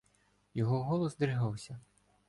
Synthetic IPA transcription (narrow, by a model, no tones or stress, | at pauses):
jɔɦɔɦɔlˠɔsd̪ɾɪɦɑwsʲɐ